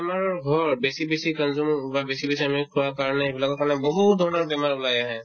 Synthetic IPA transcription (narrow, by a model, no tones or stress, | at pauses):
pemaɹɔɹɡʱɔɹbesibesikənzumbabesibesiamikʰuwakaɹnɛebilakɔkaɹnɛbɔɦud̪ʱɔɹnɔɹpemaɹulajaɦɛ